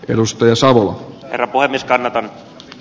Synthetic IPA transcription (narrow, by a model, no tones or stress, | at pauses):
ʔḛdust̪ɑjɑsɑʋolɑ̰hḛrːɑpuhemːieskɑnːɑt̪ɑn